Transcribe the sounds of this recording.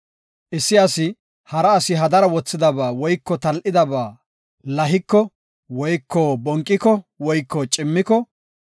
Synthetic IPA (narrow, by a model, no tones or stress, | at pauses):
ʔɪsːɪɐsɪ | hɐɾɐːsɪɦɐd̪ɐɾɐwɔt͡sːɪd̪ɐbaːwɔjkːɔt̪ɐlʔɪd̪ɐbaː | lɐɦɪkːɔ | wɔjkʰːɔbɔŋkʼːɪkɔwɔjkːɔt͡ʃʼɪmːɪkɔ